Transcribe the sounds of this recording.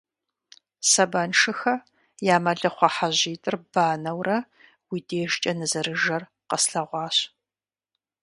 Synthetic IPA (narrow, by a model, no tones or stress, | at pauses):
sɐbɐnʂɨxɐ | jaːmɐɮɨχʷɑħaʑiːtʼɨrb̥aːnɐwrɐ | wideːʒt͡ʃʼɐnɨzɐɾɨʒɐr | qəsɬɐʁʷɑːɕ